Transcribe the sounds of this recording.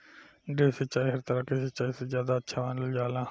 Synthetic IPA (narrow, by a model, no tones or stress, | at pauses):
ɡeːsət͡ʃaːiːɦəɾt̪əɾəkesət͡ʃaːiːsezjaːd̪aːətːʃʰaːʋaːnləld͡ʒaːlãː